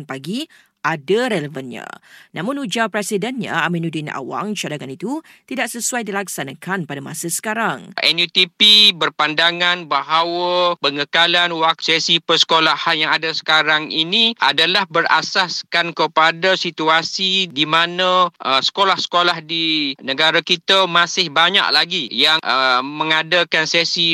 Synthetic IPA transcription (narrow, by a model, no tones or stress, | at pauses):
npaɡi | ʔadaɾɛləvənɲã̰nʔamʊ̃nud͡ʒapɾɛsidɛnɲa̰a̰minudina̰wa̰ŋt͡ʃadaŋanit̪ut̪idaʔsəsuajdilaksanakʰanpadama̰sasə̥kaɾaŋʔɛnjut̪ipibərpandaŋãnbaɦawapəŋəkalanwak̚sɛsipəsə̥kolahajaŋadasə̥kaɾaŋinĩa̰dalahbəra̰saskankəpadasit̪uasidimanãʔəsə̥kolahsə̥kolahdinəɡaɾakit̪amãsɪhbaɲa̰ʔlaɡijaŋʔəmə̃ŋadakansɛsi